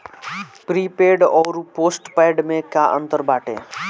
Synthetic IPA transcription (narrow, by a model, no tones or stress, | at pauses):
pɾiːpeːɖɔːɾpoːsʈpaːɖmẽkaːʔə̃nt̪əɾbaːʈḛ̃ː